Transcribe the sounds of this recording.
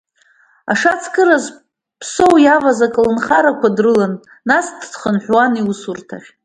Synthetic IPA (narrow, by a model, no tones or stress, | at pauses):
aʂat͡sʰkʼɨɾaz | pʰso̞wjavazakʼlɨnχaɾakʷadrɨlanː | asdχənħʷᶣwaniusurtʰa̰χʲ